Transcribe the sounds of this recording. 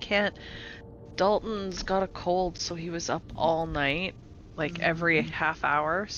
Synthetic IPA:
kʰæ̃nt | d̥ʌlˠʔn̩zɡɑɾɨkʰoʊlˠd̥soʊiwʌzʌ̰pʰɔlˠnaɪt̚ | laɪkɛvɹihæfa̰ʊə˞

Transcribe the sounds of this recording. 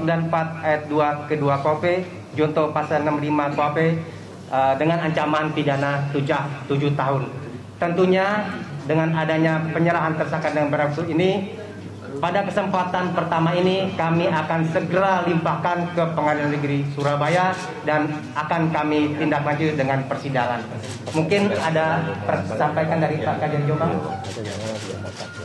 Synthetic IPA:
əmblanpat̪̚ajat̪̚duakəduakope | d͡ʒɔnt̪ɔpasanəmlimakoape | ədəŋanaɲt͡ʃamant̪idanat̪ud͡ʒaht̪ud͡ʒuht̪aɦʊn | t̪ənt̪uɲadəŋanadaɲapəɲəɾaɦant̪ərsakat̪̚dəŋanbəɾat̪uini | padakəsəmpat̪anpərt̪amainikamiakansəɡəɾalimpakankəpəŋadilanəɡɾisuɾabaja | dan | akankamit̪indaklad͡ʒudəŋanpərsidaŋan | muŋkɪnadapərsampajkandaɾipakad͡ʒand͡ʒoma

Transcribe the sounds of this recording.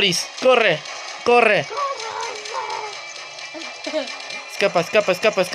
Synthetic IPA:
ɾiskore | kore | skapaskapaeskapaesk

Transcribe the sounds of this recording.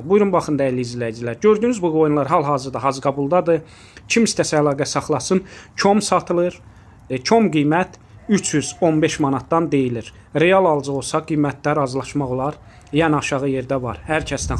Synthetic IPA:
bujɾunbɑχɯnd̪æiɾliizlæjd͡ʒilæɾɟø̞ɾd̪yːnyzbuɡo̞junlˠɑɾɦɑlˠɦɑːzɯɾd̪ɑɦɑzɯɡɑbulˠd̪ɑd̪ɯ | cʰimist̪ʰæsæælˠɑːɡæsɑχlˠɑsɯnt͡ʃʰo̞msɑt̪ʰɯlˠɯɾ | cʰo̞mɡijmæt̪ʰ | yt͡ʃʰjyzo̞nbe̞ʃmɑnɑt̪̚d̪ɑnd̪e̞jiliɾ | ɾe̞jɑlˠɑlˠd͡ʒɯolˠsɑɡijmæt̪̚ʰd̪æɾɑzlˠɑʃmɑʁo̞lˠɑɾ | jænɑʃɑʁɯje̞ɾd̪ævɑ̰ɾhæɾcʰæsd̪æn

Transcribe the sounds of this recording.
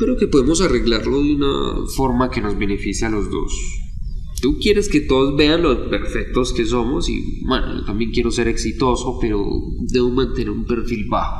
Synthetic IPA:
kɾe̞oke̞po̞ðemo̞sare̞ɣlaɾlo̞ðjuna̰fo̞ɾmake̞no̞zbe̞ne̞fisjalo̞zd̪o̞̰s | t̪ukje̞ɾe̞ske̞t̪o̞ðozbe̞anlospeɾfe̞k̚t̪o̞ske̞s̬o̞mo̞sḭbwḛno̰o̰t̪ambje̞ŋkje̞ɾo̞se̞ɾe̞ksit̪o̞so̞pe̞ɾo̰ | d̪e̞βomãnt̪e̞ne̞ɾumpe̞ɾfilbaxo̥

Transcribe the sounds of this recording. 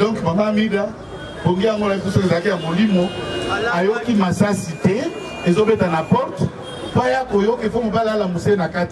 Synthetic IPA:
dɔ̃ŋkmamamida | boŋɡiaŋɡolaipusoezalakijamolimoajokimasasitɛ | ezobetanapɔʁt | pajakojokefomobalialamosenakati

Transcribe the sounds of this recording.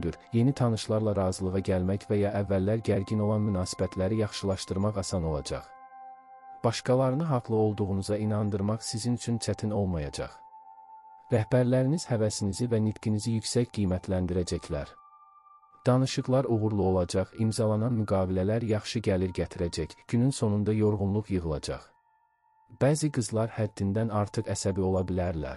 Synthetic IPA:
d̪yɾje̞nit̪ʰɑnɯʃlˠɑɾlˠɑɾɑːzɯlˠɯʁɑɟælmæcvæjɑʔævːælːæɾɟæɾɟino̞lˠɑnmynɑːsi̥bæt̪ʰlæɾijɑχʃɯlˠɑʃt̪ɯɾmɑʁɑsɑno̞lˠɑ̰d͡ʒɑ̰χ | b̥ɑʃkɑlˠɑɾɯnɯɦɑʁlˠɯo̞lˠd̪uʁunuzɑinɑnd̪ɯɾmɑχsizinyt͡ʃʰynt͡ʃʰæt̪ʰino̞lˠmɑjɑd͡ʒɑ̰χ | ɾæhbæɾlæɾiniz̥hævæsinizivænit̪cinizijycsæcɡijmæt̪ʰlænd̪iɾæd͡ʒæclæɾ | d̪̥ɑnɯʃɯʁlˠɑɾuɣuɾlˠuo̞lˠɑd͡ʒɑχimzɑlˠɑnɑnmyɡɑːvilælæɾjɑχʃɯɟæliɾɟæt̪ʰiɾæd͡ʒæcɟ̥ynynso̞nund̪ɑjo̞ɾʁunlˠuʁjɯʁɯlˠɑ̰d͡ʒɑ̰χ | b̥æːziɡɯzlˠɑɾhæd̪ːind̪ænɑɾt̪ʰɯʁæsæbio̞lˠɑbilæɾlæ̰ɾ

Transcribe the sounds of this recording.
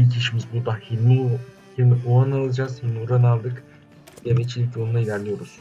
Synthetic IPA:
ilʲcʰiʃimizbuɾd̪ahinu | himiʔuanalˠad͡ʒaz̥hinuɾanalˠd̪ɯk | jemɛt͡ʃʰilʲicjolunailʲæɾlʲijo̞ɾuz̥

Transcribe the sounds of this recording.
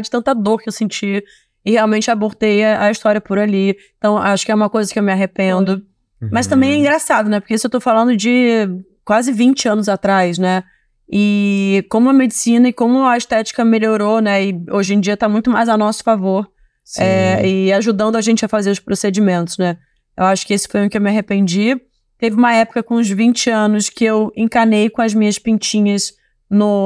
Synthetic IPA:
d͡ʒɪt̪ɐ̃nt̪ɐd̪oɾkɪewsẽnt͡ʃi | ɪheawmẽnt͡ʃɪaboɾt̪ejɐɐist̪ɔɾiɐpʊɾaʎiɪ̃t̪ɐ̃w̃ʔaʃʊkɪɛũmɐkojzɐkɪewmɪaɦepẽnd̪ʊ | mɐst̪ɐ̃mbẽj̃ɛĩɡɾasad̪ʊnɛpo̥ɾkeisʊewt̪ofalɐ̃nd̪ʊd͡ʒɪ | kwazɪvĩnt͡ʃɪɐ̃nʊzat̪ɾajsnɛ | ɪkõmʊɐmed͡ʒɪsĩnɐɪkõmʊɐɪʃt̪ɛt͡ʃi̥kɐmeʎoɾonɛɪoʒẽd͡ʒiɐt̪amũj̃t̪ʊmajzɐwnɔsʊ̥favoɾ | sɛɪaʒud̪ɐ̃nd̪ʊaʒẽnt͡ʃɪɐfazeɾʊspɾosed͡ʒimẽnt̪ʊ̥znɛ | ewaʃʊ̥kɪesɪ̥fojũkɪewmɪaɦepẽnd͡ʒi | t̪evɪũmɐɛpʊ̥kɐkõʊ̃zvĩnt͡ʃɪɐ̃nʊskɪewẽŋkanejkõɐzmĩɲɐspĩnt͡ʃĩɲɐs | nʊ

